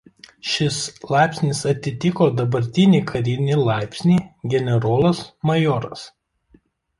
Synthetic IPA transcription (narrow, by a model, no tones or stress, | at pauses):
ʃʲɪslˠɑˑɪpʲsʲnʲɪsɐt̪ʲɪt̪ʲɪkoːd̪ɐbɐɾʲt̪ʲɪnʲiːkʰɐɾʲɪnʲɪlˠɑˑɪpʲsʲnʲiːɡʲɛnʲɛɾoːlˠɐsmɐjɔːɾɐs